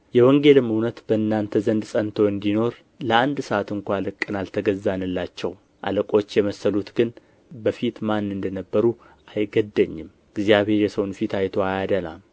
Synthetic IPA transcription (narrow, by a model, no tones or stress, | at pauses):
jɛwɔŋɡe̞lɨmɨwnət̪b̥əɨnːant̪ʰəzənd̪sʼənt̪ʰoɨnd̪ino̞ɾ | ləand̪səat̪ɨŋkʷalɨkʼːɨnalt̪ʰəɡəzːanɨlːat͡ʃːɛ̰w | ʔa̰ləkʼo̞t͡ʃːjɛməsːəlut̪ɡɨn | bəfit̪manːɨnd̪ənəbːəɾu | ajɡəd̪ːəɲːɪm | ɨɡzjaβhe̞ɾjɛsəwnfit̪ʰajt̪ʰoajad̪əla̰m